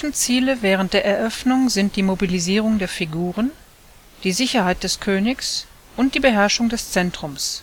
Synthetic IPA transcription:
fn̩t͡siːləvɛːʁ̞ənt̚d̥eːɐɛɐʔœfnʊŋzɪnt̚d̥iːmobiliziːʁ̞ʊŋdeːɐfiɡuːʁ̞ən | d̥iːzɪçɐhaɪt̚d̥ɛskʰøːnɪçs | ʔʊnt̚d̥iːbəɦɛɐʃʊŋdɛst͡sɛntʁ̥ʊms

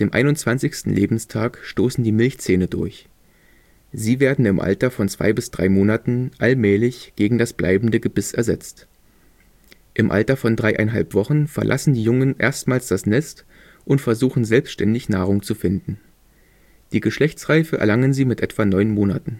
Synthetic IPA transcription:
d̥eːmʔa̰ɪnʊnt͡sv̥ant͡sɪçstn̩lʔḛːbm̩stʰaːkʃtoːsn̩diːmɪlçt͡seːnədʊ̰ɐç | ziːveːɐdn̩ɪmʔa̰ltɐfɔnt͡sv̥a̰ɪbɪsd̥ʁa̰ɪmoːnatn̩ʔalmɛːlɪçɡ̥eːɡŋ̩dasb̥lʔa̰ɪbm̩dəɡəbɪsɛ̰ɐzɛt͡st | ʔɪmʔa̰ltɐfɔndʁaɪʔa̰ɪnɦa̰lpv̥ɔχn̩fɛɐlʔa̰sn̩diːjʊŋənʔḛːɐstmaːlsd̥asnɛst | ʔʊntfɛɐzuːxn̩zɛlpstʃtɛndɪçna̰ːʁ̞ʊŋt͡sufɪndn̩ | d̥iːɡəʃlɛçt͡sʁ̥aɪfəʔɛ̰ɐlaŋənziːmɪtʔɛtv̥anɔʏnmoːna̰tn̩

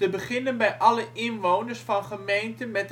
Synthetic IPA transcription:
təbəχɪnənbɛjʔɑləʔɪnʋownərsfɑnχəmejntəmɛt

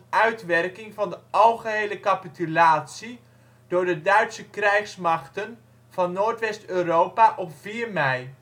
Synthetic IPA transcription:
œɥtʋɛrkɪŋvɑndəʔɑlˠχəɦejləkapitylaːtsi | d̥ʊːɹdədœɥtsəkrɛjχsmɑχtən | v̥ɑnːoːɹtʋɛstøːrowpaʔɔpfiːrmɛj

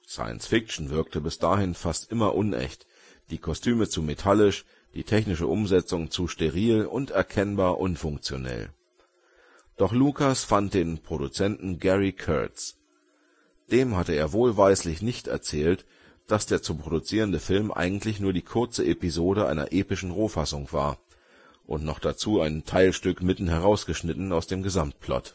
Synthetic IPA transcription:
sa̰ɪə̰nsfɪk̚t͡ʃn̩vɪɐk̚tʰəbɪsd̥aːhɪnfastʔɪmɐʔʊnʔɛ̰çt | d̥iːkʰɔstʰyːmət͡sumetʰalɪʃ | d̥ḭːtʰɛçnɪʃə̰ʔʊmzɛt͡sʊŋt͡suːʃteʁ̞iːlʊntɛɐkʰɛnbaːɐʔʊnfʊŋk̚t͡sjonɛ̰l | d̥ɔχluːkasfant̚d̥eːnpʁ̥oɾut͡sɛntn̩ɡɛʁikʰœ̰ɐts | d̥eːmhatəeːɐvoːlvaɪslɪçnɪçtɛ̰ɐt͡sɛːlt | d̥asd̥eːɐt͡supʁ̥odut͡siːʁəndəfɪlmʔa̰ɪɡŋ̩tlɪçnuːɐdiːkʰʊɐt͡səʔepizoːɾəʔa̰ɪnɐ̰ʔeːpɪʃn̩ʁoːfasʊŋv̥a̰ːɐ | ʔʊ̰ntnɔχd̥at͡suːaɪntʰaɪlʃtʏkmɪtn̩ɦɛʁ̞aʊsɡ̥əʃnɪtn̩aʊsd̥eːmɡəzamt̚pʰlɔ̰t

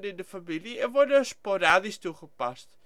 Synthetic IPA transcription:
nɪndəfamiliɛʋɔdəspoɾaːdistuχəpast

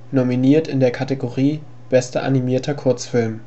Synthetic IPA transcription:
nominiːɐtɪndeːɐkʰateɡoʁiː | b̥ɛstɐʔa̰nimiːɐtʰɐkʰʊɐt͡sfɪlm

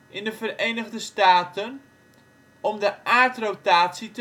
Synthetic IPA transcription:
ʔɪndəfərejnəɣdəstaːtən | ɔmdəʔaːɹtrotaːtsitə

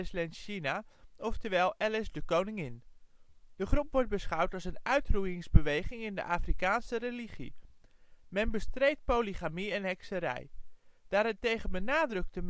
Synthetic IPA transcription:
ɪslɛnʃinaɔftəɹʋɛjlˠʔɛlɪsdəkownɪŋɪn | d̥əχrupʋɔɹt̚bəsχʌwtɑlˠsənœɥtrujɪŋzbəʋejχɪŋɪndə̰ʔaːfrikaːnsəreliχḭ | mɛnbəstrejt̚powliχamiɛnɦɛksəɾɛ̰jd̥aːɾɛtejχənbənaːdrɵk̚təm

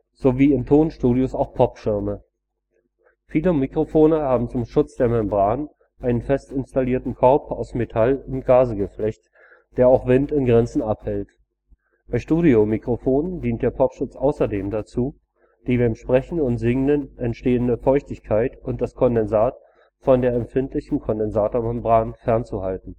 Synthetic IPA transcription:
z̥oviːɪmtʰoːnʃtuːɾiʊsaʊxpʰɔpʃɪɐmə | fiːləmikʁ̥ofoːnəhaːbm̩t͡sʊmʃʊt͡sd̥eːɐmɛmbʁaːn | ʔaɪnənfɛstɪnstaliːɐtn̩kʰœɐpaʊsmetʰalʊnt̚ɡ̥aːzəɡəflɛçt | d̥eːɐaʊxv̥ɪntɪnɡʁɛnt͡sn̩ʔaphɛlt | b̥aɪʃtuːɾiomikʁ̥ofoːndiːnt̚d̥eːɐpʰɔpʃʊt͡sʔaʊsɐdeːmdat͡suː | d̥iːbaɪmʃpʁ̥ɛçn̩ʊntz̥ɪŋənənɛntʃteːəndəfɔʏçtɪçkʰaɪtʊnt̚d̥askʰɔndɛnzaːt | fɔndeːɐɛmfɪntlɪçn̩kʰɔndɛnzaːtoɐmɛmbʁaːnfɛɐnt͡suhaltn̩

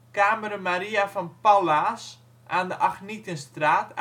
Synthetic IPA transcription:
kaːməɾəmaɾiafɔnpalas | ʔaːndəʔaxnitənstraːt

